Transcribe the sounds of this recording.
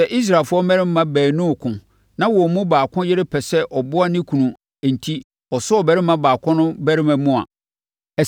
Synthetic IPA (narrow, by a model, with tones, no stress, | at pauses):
ɛ˨ʔi˦s̬ɾa˨fʊ˦ɔ˦mɛ˦ɪ̃˦mː˦ã˦bæː˨nʊ̃˦˨kʰʊ̃˨ | nã˦wɔ˨mũ˦baː˨kʰʊ̃˦jɪ˦ɾɪ˦pʰɛ˨sɛ˦ʔɔ˨bʊ˦a˦nɪ̃˦kʰũ˨nũ˨ | n̩˨tʰi˦ | ɔ˨sʊ˦ɔ˨bæ˦ɾɪ˦mã˦baː˨kʰɔ̃˦nʊ̃˦bæ˦ɾɪ˦mæ̃˨˦mũ˦a̰˨ | ɛ˨